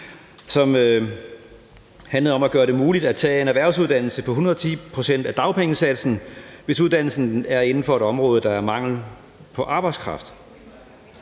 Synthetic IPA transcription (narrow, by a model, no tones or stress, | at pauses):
sɒ̽m | hænlðɐɒ̽mæɡ̥ɶːɐɾe̝muːlid̥æt͡sʰɛ̰ːe̝næʋæɐ̰suðˠd̥æn̰l̩səpʰɒ̽hunɐðˠt͡sʰḭːpʰʁo̝sen̰d̥æd̥ɑ̈ʊpʰeŋəsæd̥sn̩ʋe̝suðˠd̥æn̰l̩sn̩æɐe̝nn̩fɒ̽e̝ɾ̥ɒ̽mʁɔːð̞ˠəd̥ɑ̈æɐmɑ̈ŋ̰l̩ | pʰɒ̽ʔɑ̈ːb̥ɑ̈ɪskʰʁɑ̈fd̥